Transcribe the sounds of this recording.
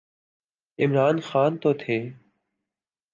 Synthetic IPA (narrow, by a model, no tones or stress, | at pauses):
ɪmɾaːnxaːnt̪oːt̪ʰeː